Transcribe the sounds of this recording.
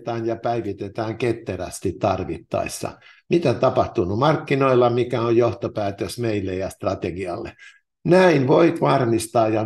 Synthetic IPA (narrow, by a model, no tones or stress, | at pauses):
t̪æːnjɑpæiʋit̪et̪æːŋket̪ːeræ̰st̪it̪ːɑrʋḭt̪ːɑ̰isːɑ̰ | mit̪æt̪ɑpɑht̪unumɑrkːinoilːɑmikæojjoht̪opæːt̪øsmeilːejɑst̪rɑt̪eɡiɑlːḛ | næinʋoit̪ʋɑrmist̪ɑːjjɑ